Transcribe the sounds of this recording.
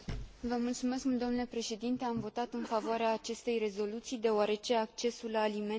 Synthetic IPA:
vəmult̪sume̞skmuld̪omnule̞pɾe̞ʃe̞d̪int̪e̞amvo̞t̪at̪ɨnfavoaɾeaːt͡ʃe̞st̪e̞jre̞zo̞lut̪sijd̪e̞oaɾe̞t͡ʃe̞ak̚t͡ʃe̞sulːaːlime

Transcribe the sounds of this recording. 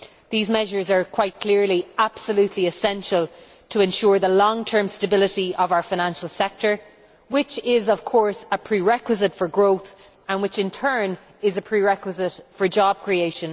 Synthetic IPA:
ðiːzmɛʒə˞zə˞kʰw̥aɪt̚kʰl̥ɪɹliab̥səljʉtʰliɪsɛ̃nʃəlˠ | tʰəɛ̃nʃʊːɹðəlɔ̃ŋtʰɜ̃˞mstəbɪlɪɾiʔəvaʊə˞faɪñãnʃəl̩ˠsɛk̚tə˞ | wɪt͡ʃɪzəv̥kʰɔɹsəpʰɹ̥iɹɛkwəzɪtfə˞ɡɹoʊθ | ə̃nwɪt͡ʃɪ̃ntʰɜ̃˞n | ɪzəpʰɹ̥iɹɛkwəzɪtfə˞d͡ʒɔb̚kʰɹ̥ieɪʃə̃n

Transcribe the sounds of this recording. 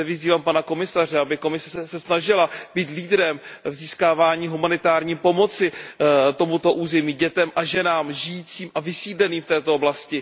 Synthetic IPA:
vɪziːvaːmpanako̞mɪsar̝ɛabɪko̞mɪsɛɛsɛsnaʒɪlab̥iːt̪liːd̪ɾɛmvziːskaːvaːɲiːɦumanɪt̪aːɾɲiːpo̞mo̞t͡sɪt̪o̞mut̪o̞ʔuːzɛmiːɟɛt̪ɛmʔaʒɛnaːmʒɪjiːt͡siːmʔavɪsiːdlɛniːmft̪ɛːt̪ooblascɪ

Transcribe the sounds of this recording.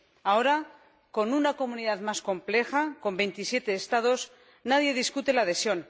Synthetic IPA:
ao̞ɾa | ko̞nunako̞muniðaðmasko̞mple̞xako̞mbe̞jnt̪isje̞t̪e̞ːst̪aðo̞s | naðje̞ðiskut̪e̞laːðe̞sjo̞n

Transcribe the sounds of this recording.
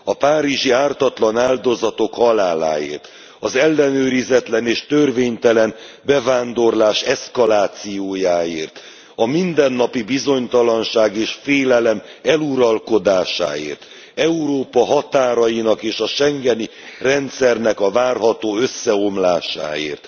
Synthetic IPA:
ɒpaːɾiʒiaːrt̪ɒt̪lɒnaːld̪o̞zɒt̪o̞khɒlaːla̰ːḛːrt̪ | ɒzɛlːɛnøːɾizɛt̪lɛneːʃt̪ørveːɲt̪ɛlɛn | bɛvaːnd̪o̞rlaːʃɛskɒlaːt̪sijoːjaːeːrt̪ | ɒmind̪ɛnːɒpibizo̞ɲt̪ɒlɒnʃaːɡeːʃfeːlɛlɛmɛluɾɒlko̞d̪aːʃa̰ːḛːrt̪ | ɛuɾoːpɒɦɒt̪aːɾɒjinɒkeːʃɒʃɛŋɡɛni | rɛnt̪sɛrnɛkɒvaːrɦɒt̪oːøsːɛo̞mlaːʃa̰ːḛːrt̪

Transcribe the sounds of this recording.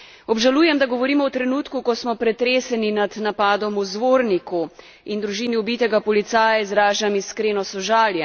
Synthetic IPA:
ɔbʒaluːjɛmd̪aɡɔʋɔɾiːmɔwt̪ɾɛnuːt̪kukɔsmɔpɾɛt̪ɾeːsɛninad̪napaːd̪ɔmuzʋoːɾniku | ind̪ɾuʒiːniubiːt̪ɛɡapɔlit̪saːjaizɾaːʒamiskɾeːnɔsɔʒaːljɛ

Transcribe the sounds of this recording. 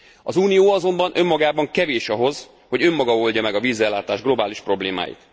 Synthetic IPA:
ɒzuːnijoːɒzo̞mbɒnʔømːɒɡaːbɒŋkɛveːʃɒɦo̞z | ho̞ɟø̞mːɒɡɒo̞lɟɒmɛɡɒviːzɛlːaːt̪aːʒɡlo̞baːliʃpro̞bleːma̰ːjḭt̪

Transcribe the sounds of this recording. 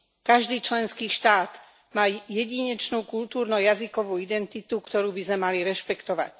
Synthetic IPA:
kaʒd̪iːt͡ʃlɛnskiːʃt̪aːd̪ | maːjɛɟiɲɛt͡ʃnuːkult̪uːɾnɔjazikɔʋuːid̪ɛnt̪it̪ukt̪ɔɾuːbizmɛmaliɾɛʃpɛkt̪ɔʋa̰c

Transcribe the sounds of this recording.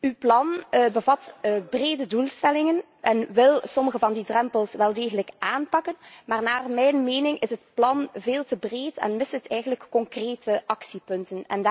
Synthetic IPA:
ywplɑnbəvɑtːbreːdədulˠstɛlɪŋən | ʔɛnʋɪlˠsɔməɣəvɑndidrɛmpəlˠsʋɛlˠdeːɣənləkʔaːnpɑkənmaːrnaːrmɛjnmeːnɪŋɪsɦətplɑnveːlˠtəbreːtɛ̰nmɪstətɛjɣənləkːɔŋkreːtəʔɑksipɵntənɛ̰nd

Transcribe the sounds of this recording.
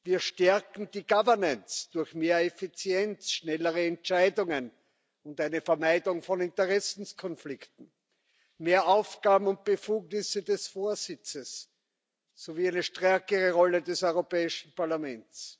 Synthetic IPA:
viːɐʃtɛɐkŋ̩d̥iːɡavɐnant͡sd̥ʊɐçmeːɐefit͡sjɛnt͡sʃnɛləʁəɛntt͡ʃaɪdʊŋən | ʊntaɪnəfɛɐmaɪdʊŋfɔnɪntəʁɛsn̩skʰɔnflɪktn̩ | meːɐʔaʊfɡ̥aːbm̩ʊnt̚b̥əfuːɡnɪsədɛsfoːɐzɪt͡səsː | oviːæɪnəʃtʁɛɐkəʁəʁɔlədɛsœʏʁopɛːɪʃn̩paɐlamɛntt͡s

